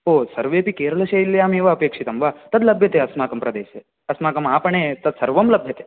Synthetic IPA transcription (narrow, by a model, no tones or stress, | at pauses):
ɦosɐɾʋepikeːɾɐlɐʃeilːeaːmeːʋaɐpeːkʂit̪ɐmʋat̪ɐd̪lɐbʱjət̪eɐsmaːkɐmpɾɐd̪eːʃe | ɐsmaːkɐmaːpəɳet̪ɐd̪sɐɾʋɐmlɐbʱjɐt̪e